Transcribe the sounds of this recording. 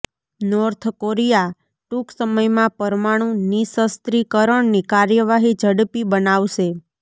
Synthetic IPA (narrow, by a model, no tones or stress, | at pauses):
nɔɾt̪ʰkoɾija | ʈuksəməjmãpəɾmaɽ̃ũnisəst̪ɾikəɾəɳnikaɾjəʋaɦid͡ʒʱəɽpibənaʋʃe